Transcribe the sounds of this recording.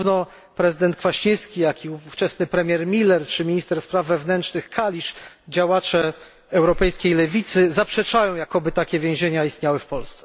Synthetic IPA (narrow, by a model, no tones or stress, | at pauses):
vnɔ | pɾɛzɘd̪ɛnt̪̚kfaɕiskʲijakʲiuuft͡ʂɛsnɘpɾɛmʲjɛɾmʲilɛɾt͡ʂɘmʲiɲist̪ɛɾspɾavːɛvnɛntt͡ʂnɘxkʰalʲiʂ | d͡ʑawat͡ʂɛ | ɛwɾɔpɛjskʲejlɛvʲit̪sɘzapʂɛt͡ʂajɔ̃w̃jakɔbɘt̪akʲɛvʲjɛ̃ʑeɲaist̪ɲawɘfpɔlst̪sɛ̥